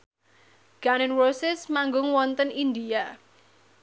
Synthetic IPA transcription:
ɡ̥anɪnwosɪsmaŋɡʊŋwɔnt̪ənind̪ia

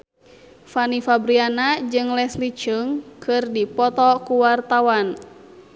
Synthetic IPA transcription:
fanifabɾianad͡ʒɨŋlɛslit͡ʃəŋkʰɨrdipɔt̪ɔkuwart̪awan

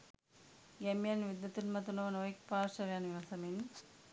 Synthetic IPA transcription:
ɡɛmijɐnʋid̪ːɐt̪unmɐt̪unɐʋɐnoːjk̚paːɾʃɐʋejanʋiʋɐsɐmin

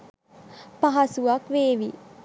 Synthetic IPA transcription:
pɐɦɐsuʋɐkʋeːʋi

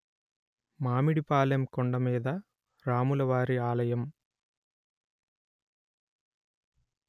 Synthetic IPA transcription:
maːmiɽipaːlɐmkɔɳɖɐmeːðɐ | ɾaːmulɐʋaːɾiaːlɐjɐm

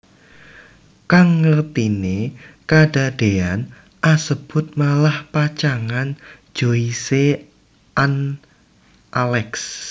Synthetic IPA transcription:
kaŋːərt̪inekada̤d̥ean | ʔasəb̥ʊ̤t̪̚malahpat͡ʃaŋan̥ | d͡ʒ̥oise | an | ʔalɛks

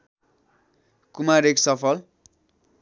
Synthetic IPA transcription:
kumaɾeksʌpʰʌl

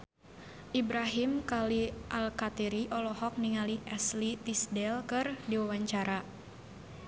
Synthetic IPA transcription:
ʔibɾaɦimkaliʔalkat̪ɛɾiʔɔlɔhɔk̚niŋaliʔɛslit̪isdɛlkɨrdiwawaɲt͡ʃaɾa

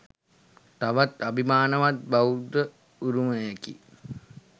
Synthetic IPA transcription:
t̪aʋat̪abimaːnəʋat̪̚baud̪ə | uɾuməjekḭ

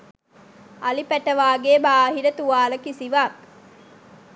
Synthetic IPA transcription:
ɐlipæʈɐʋaːɡeːbaːɦiɾət̪uʋaːlɐkisiʋaːk

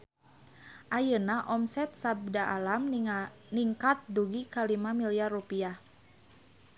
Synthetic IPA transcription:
ʔajənaʔɔmsɛt̪̚sab̚daʔalam | niŋkat̪̚duɡikalimamiliarupia

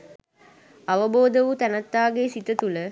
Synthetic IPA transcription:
aʋəboːd̪əʋut̪ænɐt̪ːaːɡeːsit̪ət̪ulə

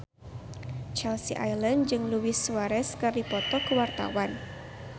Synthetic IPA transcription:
t͡ʃalsiʔajlənd͡ʒɨŋluwiswaɾɛskɨrdipɔt̪ɔkəwart̪a̰wan

